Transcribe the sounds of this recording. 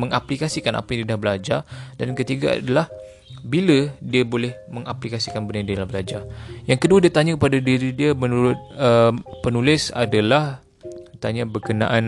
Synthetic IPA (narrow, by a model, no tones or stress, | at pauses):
məŋaplikasikana̰pajãdiadahbəlad͡ʒardankət̪iɡaa̰dalah | bilədiabolɛhməŋaplikasikanbənadiəlahbəlad͡ʒajaŋkəduadiat̪aɲakəpadadiɾidiəmənuɾʊt̪̚əpənulɪsa̰dalah | t̪aɲabəkənã̰ʔan